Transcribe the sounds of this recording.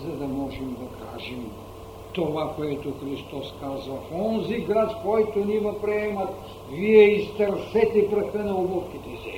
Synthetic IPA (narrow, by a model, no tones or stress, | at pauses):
zɐd̪ɐmɔʒɛmd̪ɐkʰaʒɛm | t̪ovakoɛt̪oxɾist̪ɔskazɐfɔnziɡɾat̪kɔjt̪onivɐpɾɛɛmɐt̪ | viɛist̪ɛɾsɛt̪ɛpɾɐxɛnɐolɔfkit̪ɛsɛ